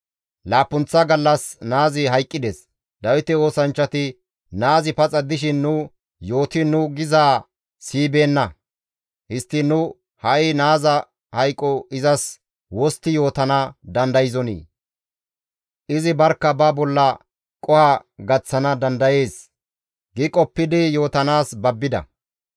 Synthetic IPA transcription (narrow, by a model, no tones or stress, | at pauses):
laːpːʊnt͡sːɐɡɐlːɐsnaːzɪɦɐjkʼːɪd̪ɛs | d̪ɐwɪt̪ɛo̞ːsɐnt͡ʃːɐt̪ɪ | naːzɪpɐt͡sʼɐd̪ɪʃɪnːʊ | jo̞ːt̪ɪnʊɡɪzaː | siːbe̞ːnːɐ | hɪst̪ːɪnʊ | hɐʔɪnaːzɐ | hɐjkʼːɔɪzɐs | wɔst̪ːɪjo̞ːt̪ɐnɐd̪ɐnd̪ɐjɪzɔnḭː | ʔɪzɪbɐɾkːɐbɐbɔlːɐ | kʼɔhɐɡɐt͡sːɐnɐd̪ɐnd̪ɐje̞ːs | ɡɪkʼɔpːɪd̪ɪjo̞ːt̪ɐnaːsbɐbːɪd̪ɐ̰